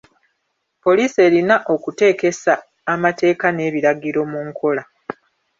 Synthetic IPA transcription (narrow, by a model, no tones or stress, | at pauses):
po̞liːse̞ːɾinaʔo̞kute̞ːke̞saː | mate̞ːkane̞ːβiɾaɡiɾo̞muŋkʰo̞la